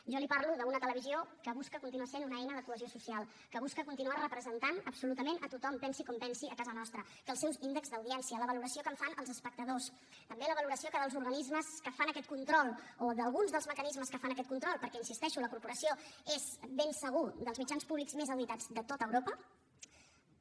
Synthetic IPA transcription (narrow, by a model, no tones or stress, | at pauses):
ʒɔlipaɾluðəunət̪ələβiziokəβuskəkunt̪inuasenunəɛjnəðəkuəziosusialˠ | kəβuskəkunt̪inuarəpɾəzənt̪anə̰bsulut̪əmenət̪ut̪ɔmpɛnsikɔmpɛnsiəkazənɔst̪ɾə | kəːlˠsɛwzind̪əkzðəwðiɛnsiələβəluɾəsiokəɱfanəlˠzəspək̚t̪əðos | t̪əmbeləβ̞əluɾəsiokəðəlˠzuɾɣənizməskəfanəkɛt̪̚kunt̪ɾɔlˠoðəlˠɣunzðəlˠzməkənizməskəfanəkɛt̪̚kunt̪ɾɔlˠpəɾkɛinsist̪ɛʃuləkuɾpuɾəsioezβensəɣ̞ud̪əlˠzmid͡ʒanspuβlikzmezəwβit̪ad͡zd̪ət̪ot̪əːwɾopə